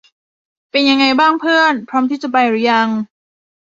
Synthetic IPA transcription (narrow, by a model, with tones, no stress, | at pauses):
pe˧nja˧ŋːa˧jbaː˥˩ŋpʰɯ˥˩ənpʰɾɔː˦˥mt̪ʰiː˥˩t͡ɕa˨˩pa˧jɾu˨˦˥ja˧ŋ